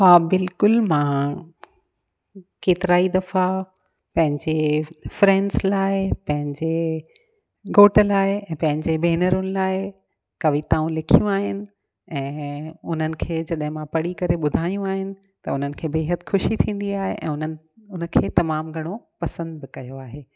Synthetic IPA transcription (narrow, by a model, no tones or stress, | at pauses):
ɦaːbɪlkʊlmãː | keːt̪ɪɾaːid̪ɐfa | pɐ̃ɦɪ̃ɲd͡ʑefɾɛ̃ːnɖslaːɪpɐ̃ɦɪ̃ɲd͡ʑe | ɡoːʈəlaːɦɪɛ̃ːpɐ̃ɦɪ̃ɲd͡ʑebeːnəɾʊnɪlaːɪ | kɐʋit̪aːũlɪkʰijũaːɦɪnɪ̆ | ɛ̃ːʊn̤ənɪ̆kʰeːd͡ʑɐɗɦɪ̃mãpɐɽikɐɾeɓʊd̪ʱaːjũaːɦɪnɪ̆ | t̪ɐʊn̤ənɪ̆kʰeːbeːɦət̪ɪxʊʃit̪ʰĩːn̆d̪iaːɦḛʔɛ̰̃ːʊnə | ʊnəkʰeːt̪ɐmaːmɡʱɐɽ̃opɐsə̃nd̪̚bɪkɐjoaːɦeː